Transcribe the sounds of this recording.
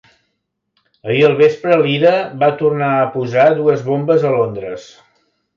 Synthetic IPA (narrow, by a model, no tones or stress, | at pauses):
əiəlˠβ̞espɾəliðəβat̪urnaəpuzaðuəzβombəzəlond̪ɾəs